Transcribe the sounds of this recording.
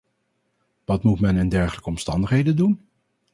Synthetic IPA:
ʋɑtmutmɛnɪndɛɹχələkəɔmstɑ̰ndəχɦejdəndun

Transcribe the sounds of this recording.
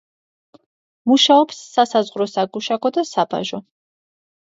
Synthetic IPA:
muʃaɔpsːasazʁɾɔsaɡuʃaɡɔd̪asaba̰ʒɔ

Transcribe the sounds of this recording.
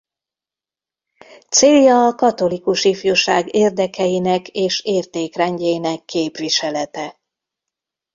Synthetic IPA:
t̪seːljɒːkɒt̪o̞likuʃifjoʃaːɡeːrd̪ɛkɛjinɛkeːʃeːrt̪eːkrɛɲɟɛjinɛkːeːpʋiʃɛlɛt̪ɛ

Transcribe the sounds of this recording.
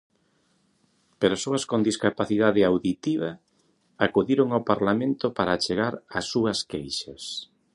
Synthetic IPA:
peɾasoɐskond̪iskapaθiðaðɪawðit̪iβ̞a | akuðiɾoŋawpaɾlamẽnt̪opaɾat͡ʃeɣaɾasːuɐskejʃas

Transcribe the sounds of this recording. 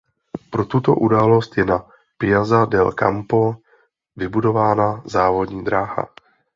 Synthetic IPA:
pɾo̞t̪ut̪o̞̰ʔudaːlo̞st̪jɛna | pɪɲazadɛlka̰mpo | vɪbudo̞vaːnazaːvo̞dɲiːd̪ɾaːɦa̰

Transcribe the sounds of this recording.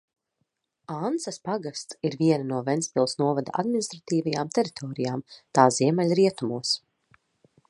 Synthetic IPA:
ansaspaɡast̪siɾviɛnanuɔvɛnspʲilˠsnuɔvad̪a̰ʔa̰d̪minist̪ɾat̪iːvajaːmt̪ɛɾit̪ʰɔːɾijaːmt̪aːziɛmalʲɾiɛt̪umuɔs

